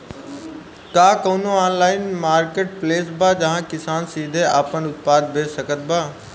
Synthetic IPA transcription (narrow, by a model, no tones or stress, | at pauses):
kaːkoːnoaːnlaːɪnmaːɾkeːʈ̚pleːsbaːd͡ʒɐɦãkɪsaːnsiːd̪ʱeaːpənʊt̪̚paːd̪̚bʱeːsəkət̪̚baː